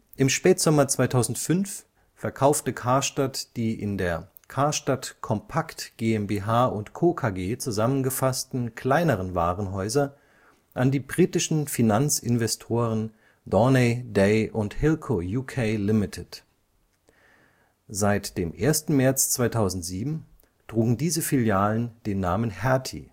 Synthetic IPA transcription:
ʔɪmʃpɛːtz̥ɔmɐt͡sv̥aɪtʰaʊzn̩tfʏnf | fɛɐkʰaʊftəkʰaɐʃtatd̥iːʔɪ̰ndeːɐ | kʰaɐʃtatkʰɔmpʰaktɡ̥eːɛmbeɦaːʔʊntkʰoːkʰaːɡeːt͡suzamənɡəfastn̩kʰl̥aɪnəʁ̞ənvaːʁənɦɔʏzɐ | ʔandiːbʁiːtɪʃn̩finant͡sɪnvɛstʰoːʁ̞ən | d̥ɔnedeɪʔʊnthɪlkʰojuːkʰeɪlɪmɪtʰɪt | zaɪtd̥eːmʔeːɐstn̩mɛɐt͡st͡sv̥aɪtʰaʊzn̩tz̥iːbm̩ | d̥ʁ̥uːɡŋ̩diːzəfiljaːlənd̥eːnːaːmənhɛɐtʰḭ

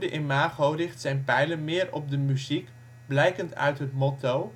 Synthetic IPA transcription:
dəʔɪmaːχowrɪχtsɛjnpɛjlənmɪːrɔ̰p̚dəmyzik | blɛjkəntœ̰ɥtɦətmotow

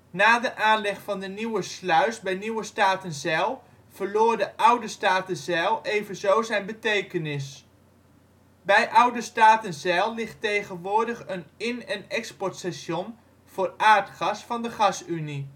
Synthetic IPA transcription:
naːdəʔaːnlɛχfɑndəniwəslœɥsbɛjniwəstaːtənzɛlˠ | v̥əɹloːɹdəʔʌwdəstaːtənzɛlˠʔejvənzowzɛjnbətejkənɪs | bɛjʔʌwdəstaːtənzɛlˠlɪχtejχənʋʊːɹdəχənɪnɛnɛkspɔɹtsɛʃɔn | v̥ʊːɹʔaːɹtχɑsfɑndəχɑsyni

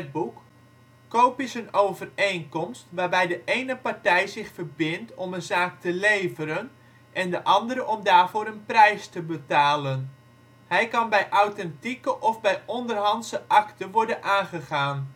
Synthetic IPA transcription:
ət̚bukː | owpisənowvərejnkɔmstʋaːrbɛjdəʔejnəpaɹtɛjzɪxfərbɪntʰɔmənzaːk̚təlejvəɾən | ʔɛndəʔɑndəɾəʔɔmdaːrv̥oːɾənprɛjstəbətaːlən | hɛjkɑnbɛjʔawtɛntikəʔɔvbɛjɔndərɦɑntsəʔɑktəʋɔɹdənʔaːnχəχaːn

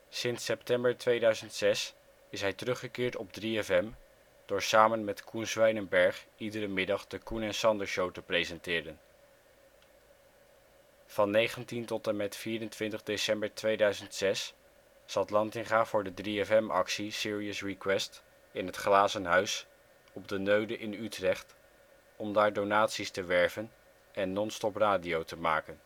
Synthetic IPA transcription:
sɪnsɛptɛmbəɹtʋejdœɥzəntsɛs | ɪsɦɛjtərɵχəkɪːɹtɔb̚driɛfɛm | d̥ʊːɹsaːmənmɛtkʰunzʋɛjnənbɛɹχidəɾəmɪdɑχdəkunɛnsɑndəɹʃowtəprejzɛntɪːɾən | v̥ɑnːejχəntintɔtəmɛtfiːɾəntʋɪntəχdesɛmbəɹtʋejdœɥzəntsɛs | sɑtlɑntɪŋχaːvʊːɹdədriɛfɛmɑ̰ksisɪːɹiəsrikwɛst | ɪnɦətχlaːzənɦœɥs | ɔb̚dənøɥdəʔɪnytrɛχt | ɔmdaːɹdonaːtsistəʋɛɹvən | ʔɛnːɔnstɔpraːdiowtəmaːkən

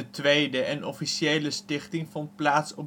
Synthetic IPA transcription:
ətʋejdəɛnɔfiʃiejləstɪχtɪŋvɔnt̚plaːtsɔ

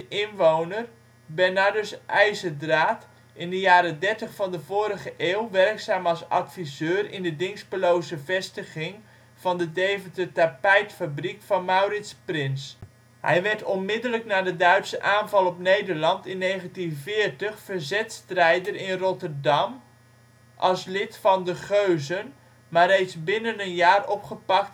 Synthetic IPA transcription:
dəʔɪnʋownər | bɛnadosʔɛjzədraːt | ʔɪndəjaːɾədɛrtəχfɑndəvoːɾəχəʔeːlˠʋɛrksaːmɑsɑ̰tfizøːrɪ̰ndədɪŋspəlowzəvɛstəɣɪŋ | v̥ɑndədejvəndətapɛjtfabrikfɑnmawrɪtsprɪns | ɦɛ̰jʋɛrtɔnmɪdələknaːdədœɥtsəʔaːnvɑlˠɔpnejdərlɑntɪnːejχəntinvɪːrtəχfərzɛtstrɛjdərɪnrɔtərdɑm | ʔɑ̰lˠslɪtfɑndəχøɥzən | marejtsbɪnənənjaːrɔpχəpɑk̚t

